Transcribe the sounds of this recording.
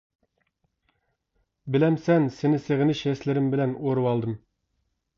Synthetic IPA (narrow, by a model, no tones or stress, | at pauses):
bɪlɛmsɛnsɪnɪseʁɪnɪʃɛslɪɾɪmbɪlɛnoɾɨwɑlˠd̪ɨm